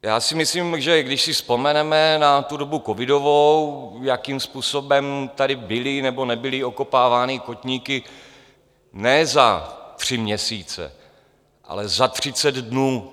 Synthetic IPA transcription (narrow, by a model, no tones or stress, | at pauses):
jaːsɪmɪsliːmʒɛɡdɪʃsɪspo̞mɛnɛmɛnat̪udo̞bukovɪdo̞vowjakiːmspuːso̞bɛmt̪aɾɪbɪlɪnɛbo̞nɛbɪlɪoko̞paːvaːnɪkocɲiːkɪ | nɛːzat̪r̝̥ɪmɲɛsiːt͡sɛ̰ | ʔa̰lɛzat̪r̝̥ɪt͡sɛd̪dnuː